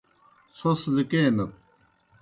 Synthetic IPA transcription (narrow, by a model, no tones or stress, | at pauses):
soslikeːnɐt̪̚